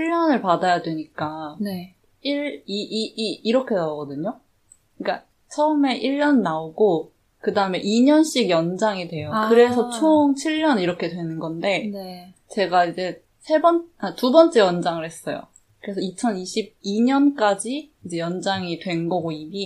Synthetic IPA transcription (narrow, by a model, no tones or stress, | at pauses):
t͡ɕʰiɭːʌnɯɭpadajadwe̞ɲik͈ane | iɭiʔːɾʌkʰe̞naoɡʌdɯɲo | ik͈a | t͡ɕʰʌɯme̞ʔiɭːʌnnaoɡo | kɯdaɯme̞ʔiɲʌnɕ͈iɡjʌnd͡ʑaŋidwe̞jokɯɾe̞sʰʌt͡ɕʰoŋt͡ɕʰiɭɲʌniɾʌkʰe̞dwe̞nɯnɡʌnde̞n | t͡ɕe̞ɡaid͡ʑe̞ | sʰe̞bʌnatubʌnt͡ɕ͈e̞jʌnd͡ʑaŋɯɭɾhe̞s͈ʌjo̰ | kɯɾe̞sʰʌit͡ɕʰʌniɕʰib̚iɲʌnk͈ad͡ʑiː | d͡ʑe̞jʌnd͡ʑaŋidwe̞nɡʌɡoimi